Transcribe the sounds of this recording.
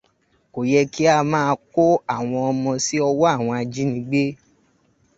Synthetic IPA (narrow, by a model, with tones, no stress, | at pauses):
ko˨jɛ˧ki˦a˧mãː˦˧ko˦a˦˨w̃ɔ̃˧ɔ˧mɔ̃˧si˦ɔ˧wɔ˦a˦˨w̃ɔ̃˧a˧d͡ʒi˦nĩ˧˦ɡ͡be˦